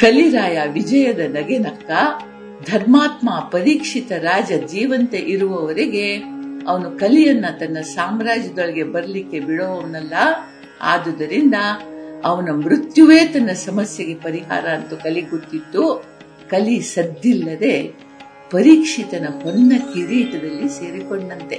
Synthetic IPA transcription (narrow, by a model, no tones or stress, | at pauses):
kɐliɾaːjaʋid͡ʒɐjɐd̪ɐnɐɡenɐkːɐ | d̪ʱɐɾmaːt̪maːpɐɾiːkʂit̪ɐɾaːd͡ʒɐd͡ʒiːʋɐnt̪eʔiɾuʋɐʋɐɾeɡe̞ɐʋɐnukɐlijɐnːɐt̪ɐnːɐsaːmɾaːd͡ʒɐd̪oɭɐɡe̞bɐɾɐlikːe̞biɽoʋɐʋɐnɐlːɐ | a̰ːd̪ɐd̪ɐɾind̪ɐɐʋɐnɐmɾut̪juʋeːt̪ɐnːɐsɐmɐsjɐɡe̞pɐɾiɦa̰ːɾɐɐnt̪ukɐliɡot̪ːit̪ːu | kɐlisɐd̪ilːɐd̪e̞ | pɐɾiːkʂit̪ɐnɐhonːɐkiɾiːʈɐd̪ɐlːise̞ːɾikoɳɖɐnt̪e̞